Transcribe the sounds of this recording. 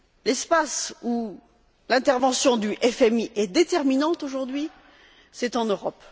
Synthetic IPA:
lɛspasu | lɛ̃t̪ɛʁvɑ̃sjɔ̃d̪yʔɛfɛmiʔɛd̪et̪ɛʁminɑ̃t̪oʒuʁd̪ɥi | sɛt̪ɑ̃nøʁɔp

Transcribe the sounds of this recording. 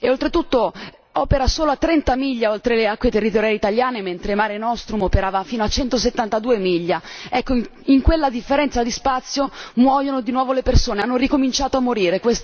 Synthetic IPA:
eolt̪ɾet̪ut̪ːo | ɔːpeɾasoːloat̪ːɾɛnt̪amiʎːaolt̪ɾeleakːwet̪erːit̪oɾjaːlit̪aljaːnement̪ɾemaːɾenɔst̪ɾumopeɾaːvafiːnoat͡ʃɛnt̪oset̪ːant̪ad̪uːemiʎːaɛkːoi | iŋkwelːad̪ifːeɾɛnt̪sad̪ispat̪sːjomwɔːjonod̪inwɔːvolepersoːneanːorikomint͡ʃaːt̪oamːoɾiːɾekwes

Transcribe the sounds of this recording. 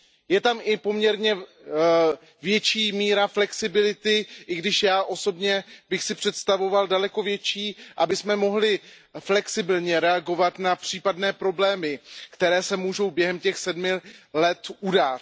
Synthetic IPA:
jɛt̪amʔɪpo̞mɲɛɾɲɛ | vjɛt͡ʃiːmiːɾaflɛksɪbɪlɪt̪ɪʔɪɡdɪʃjaːʔo̞so̞bɲɛbɪxsɪpr̥ɛt̪st̪avo̞valdalɛko̞vjɛt͡ʃiːʔabɪsmɛmo̞ɦlɪ | flɛksɪbɪlɲɛɾɛaɡo̞vat̪napr̝̥iːpadnɛːpɾo̞blɛːmɪkt̪ɛɾɛːsɛmuːʒo̞wbjɛɦɛmcɛxsɛdmɪlɛt̪ʔudaːt

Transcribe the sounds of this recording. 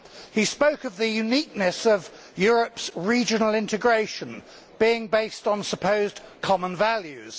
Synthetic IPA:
hispəʊkəvðəjʉniˑk̚nəsəv | jɔːɹəpsɹiːd͡ʒənəl̩ɪ̃ntɪɡɹeɪʃə̃n | b̥iːɪ̃ŋbeɪstn̩səpʰəʊzkʰɒmə̃nvaljʉz̥

